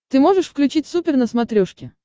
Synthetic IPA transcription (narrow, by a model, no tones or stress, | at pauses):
t̪ɨmo̞ʐɨʂfklʲʉt͡ɕitʲsupʲɪrnəsmɐt̪ɾʲoʂkʲɪ